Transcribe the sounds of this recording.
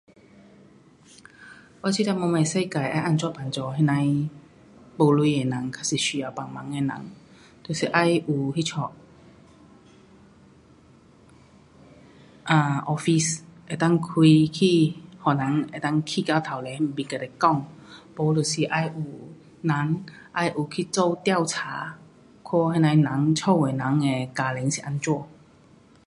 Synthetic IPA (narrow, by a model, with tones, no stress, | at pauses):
wa˧˨t͡ɕsʰi˧˥˨t̪a˧mɔ˧ma˧˩jsa˥˧˨jka˨˩jʔa̰˧˨jʔa˧˨nt͡ʃɔ˧˨pa˨˩nt͡ɕɔ˧˦ɦɛ˧nã˧˦j | po˧lu˧˦ɛ˨na˨˦ŋkʰa˧˥si˧˩ʃi˧a˨˧˩pa˨˩ŋma˨˦ŋɛ˧˨nã̰˨˦ŋ | t̪o˧˩si˨˧˦ʔa˧˥˨jʔu˨˩hi˧˥t͡ʃʰɔ˧˩ʔ | ʔaː˧ʔɔ˧fi˧˩se˨˩t̪a˥˩˨ŋkʰwi˧kʰi˥˧hɔ˨˩nã˨˦ŋe˨˩t̪a˥˨ŋkʰi˧ka˧wt̪ʰa˨˩wle˨˦˧m̩˨pi˨˧˩ka˨˩t̪e˨˩kɔ˥˧ŋpɔ˨˧˦lo˨˩si˨˩ʔa˧ju˨˩ | na˨˦ŋʔa˧jʔu˨˩kʰi˧t͡sɔ˥˧wt̪ja˥˧˨ʊwt͡sʰa˨˦ | kʰɔ˥˧he˥˧na˧jnã˨˦ŋt͡ɕʰɔ˥˧˨e˨˩na˨˦ŋe˧ka˧˩lɛ˨˦ŋsi˨ʔa˧nt͡swɔ˥˧